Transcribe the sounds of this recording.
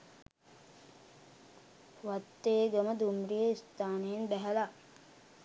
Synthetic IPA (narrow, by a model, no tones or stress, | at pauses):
ʋat̪ːeːɡəməd̪umɾijeist̪aːnejenbæɦæla